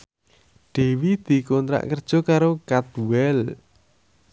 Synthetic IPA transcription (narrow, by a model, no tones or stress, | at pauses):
ɖ̪̥e̤wid̪̥i̤kɔnt̪ɾa̰ʔkərd̥ʒ̥ɔ̤kaɾokat̪uɛl